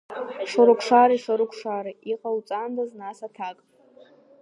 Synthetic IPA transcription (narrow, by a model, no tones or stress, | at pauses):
ʂaɾʊkʷʰʂaɾiʂaɾʊkʷʰʂaɾiiqʼawt͡sʼandaznasatʰakʼ